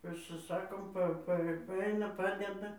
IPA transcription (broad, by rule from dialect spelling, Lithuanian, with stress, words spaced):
pɐsʲɪˈsɑːkoːm ˈpɐ ˈpɐ ʋɐ ˈɐɪnɐ ˈpɑːdʲɛdɐ